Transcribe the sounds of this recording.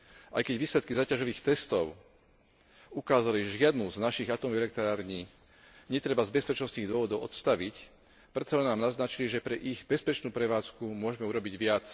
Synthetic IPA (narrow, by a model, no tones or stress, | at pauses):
ʔa̰jkɛɟʋiːslɛt̪kizaːcaʒɔʋiːxt̪ɛst̪ɔʊ | ukaːzaliʒɛʒɪad̪nuznaʃiɣat̪ɔmɛlɛk̚t̪ɾaːɾɲiː | ɲɛt̪ɾɛbazbɛspɛt͡ʃnɔst̪niːɣd̪ʊɔʋɔd̪ɔʊɔ̰t̪st̪aʋic | pɾɛt̪t͡salɛnːaːmnaznat͡ʃiliʒɛpɾɛʔiɣbɛspɛt͡ʃnuːpɾɛʋaːt͡skumʊɔʒɛmɛuɾɔbiɟʋɪat͡s